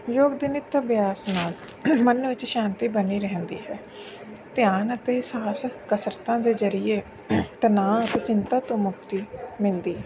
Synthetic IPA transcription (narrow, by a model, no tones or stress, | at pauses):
joːɡd̪ɪnɪt̪ːbjaːsnaːl | mənʋɪt͡ʃʃaːnt̪iːbəniːɾɛɦə̃nd̪ḭːɦɛː | t̪ɪjaːnət̪eːsaːskəsəɾət̪ãːd̪eːzəɾieː | t̪ənaːət̪eːt͡ʃɪnt̪aːt̪õːmʊkt̪iːmɪ̃nd̪iː